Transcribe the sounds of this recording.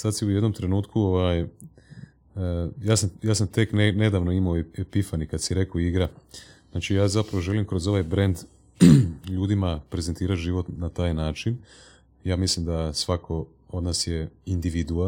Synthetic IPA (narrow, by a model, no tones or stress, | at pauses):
sad̪siujed̪nomt̪ɾe̞nuːt̪kʰuoʋaj | jaːsamjaːsamt̪e̞knene̞d̪aːʋnoimaoepifanikad̪siɾe̞koiɡɾaznaːt͡ʃijaːzapɾaʋoʒe̞limkɾo̞zo̞ʋajbɾe̞nd̪ | ʎuːd̪imapɾe̞zent̪iːɾat̪ʒiːʋo̞t̪nat̪aːjnaːt͡ʃin | jaːmislimd̪asʋakʰo̞ | od̪naːsje̞ind̪iʋid̪ua